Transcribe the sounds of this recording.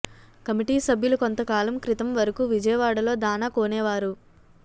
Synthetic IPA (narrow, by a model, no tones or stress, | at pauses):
kɐmiʈiːsɐbʱjulukont̪ɐkaːlɐmkɾit̪ɐmʋɐɾɐkuːʋid͡ʒɐjɐʋaːɽɐlo̞ːd̪aːnɐkoːnɛːʋaːɾu